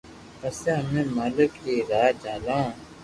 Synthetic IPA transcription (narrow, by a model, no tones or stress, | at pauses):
əseɦəmẽːmaːləkeːɾaːd͡ʒaːlãː